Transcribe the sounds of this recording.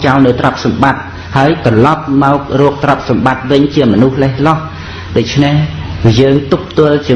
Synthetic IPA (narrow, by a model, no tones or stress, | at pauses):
t͡ɕalnɨwt̪rɑp̚sɑmɓat̪̚ | haəjt̪ɑlɑp̚maɔk̚rɔːk̚t̪rɑp̚sɑmɓat̪̚ʋɨɲt͡ɕiəmɔnuhlehlɑh | ɗoc̚t͡ɕʰnehjəːŋt̪up̚t̪ʊ̆əlt͡ɕiə